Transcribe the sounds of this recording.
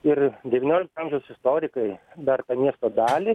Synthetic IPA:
ɪrd̪ʲɛʋʲiːnʲoːlʲɪk̚t̪ɐɐːmʲʒʲɛʊsɪst̪oːɾʲɪkɐɪd̪ɐrt̪ɐmʲiɛst̪oːd̪ɑːlʲɪ

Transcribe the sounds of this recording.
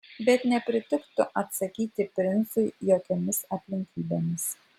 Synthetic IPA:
bʲɛt̪nʲɛpʲɾʲɪt̪ʲɪkt̪ʊʔɐt̪sɐkʲiːt̪ʲɪpʲɾʲɪnsʊɪjoːkʲɛmʲɪsɐpʲlʲɪŋʲkʲiːbʲemʲɪs

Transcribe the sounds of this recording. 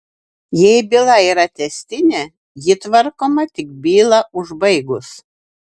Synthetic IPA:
jɛɪbʲɪlˠɐiːɾɐt̪ʲɛsʲt̪ʲɪnʲɛ | jɪt̪ʋɐɾkoːmɐt̪ʲɪk̚bʲiːlˠɐʊʒbɐɪɡʊs

